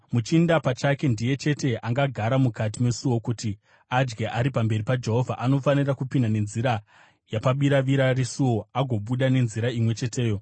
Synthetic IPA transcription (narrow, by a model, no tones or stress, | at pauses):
mut͡ʃindapat͡ʃake̞ndije̞t͡ʃe̞te̞ʔaŋɡaɡʱaɾamukat̬ime̞suwo̞kuti | ad͡ʒɡeʔaɾipambe̞ɾipad͡ʒe̞ɦo̞vʱa̰ʔano̞fanirakupindane̞nziɾa | japaɓiɾaʋiɾarisuwo̞aɡʱo̞ɓuɗane̞nziɾaimwe̞t͡ʃe̞te̞ːjo̞